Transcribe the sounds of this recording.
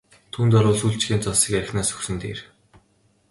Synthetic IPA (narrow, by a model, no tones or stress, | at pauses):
t̪ʰuːnt̪ɔɾʊːɮsuːɬt͡ɕɡeːnt͡sɔsiːkæɾ̆xnaːsɵ̥xsɘ̆nt̪ḛːr